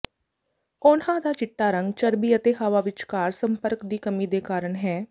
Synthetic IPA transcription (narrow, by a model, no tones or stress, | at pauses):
ʊnãːd̪aːt͡ʃɪʈːaːɾə̃ŋɡt͡ʃəɾbiːət̪eːɦaːʋaːʋɪt͡ʃkaːɾsəmpəɾkd̪iːkəmiːd̪eːkaːɾəɳɦɛː